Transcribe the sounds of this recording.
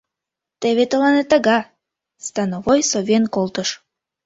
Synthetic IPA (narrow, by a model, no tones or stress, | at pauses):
t̪eβet̪əlɑnet̪ɑɡɑ | st̪ɑnovojsovʲenkolˠt̪əʃ